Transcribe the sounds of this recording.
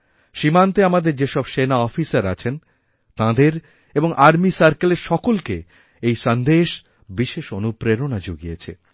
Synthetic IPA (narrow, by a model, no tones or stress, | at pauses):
ʃimant̪eamad̪eɾd͡ʑeʃɔbʃenaɔfisaɾat͡ɕʰen | t̪ãd̪eɾ | eboŋʔaɾmisaɾkaleɾʃɔkolkḛ | ejʃand̪eʃ | biʃeʃonupɾeɾonad͡ʑoɡijet͡ɕʰḛ